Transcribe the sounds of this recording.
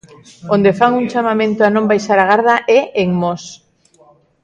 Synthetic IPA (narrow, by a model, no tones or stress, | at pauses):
ond̪efaŋuŋt͡ʃamamẽnt̪ʊanõmbajʃaɾaɣ̞aɾð̞aʔɛʔeŋmos